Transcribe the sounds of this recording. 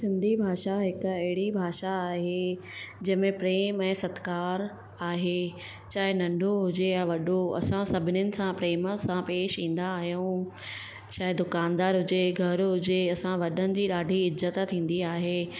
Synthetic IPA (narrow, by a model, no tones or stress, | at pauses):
sɪ̃nd̪ʱibʱaːʃaɦɪkɐɦɪɽibʱaːʃaːɦe | d͡ʑɐɦmẽpɾeːmɛ̃ːsɐt̪kaːɾ | aːɦe | t͡ɕaːɦenɐ̃ɳɖʱoɦʊd͡ʑejãʋɐɗoɐ̰sãsɐbʱɪnjʊnɪ̆sãpɾeːməsãpeːʃĩːn̆d̪aːɦijũ | t͡ɕaːɦed̪ʊkaːnd̪aːɾɦʊd͡ʑeɡʱɐɾɦʊd͡ʑeɐsãʋɐɗənɪ̆d͡ʑiːɗaːɖʱiɪzːət̪t̪ʰĩːn̆d̪iaːɦeː